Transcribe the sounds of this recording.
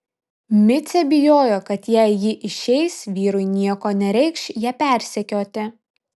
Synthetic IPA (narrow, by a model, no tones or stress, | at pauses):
mʲɪt̪sʲɛbʲɪjoːjoːkɐt̪jæɪjɪʔɪʃʲɛɪsʋʲiːɾʊɪnʲiɛkoːnʲɛɾʲɛɪkʃjɛːpʲæˑɾʲsʲɛkʲoːt̪ʲɪ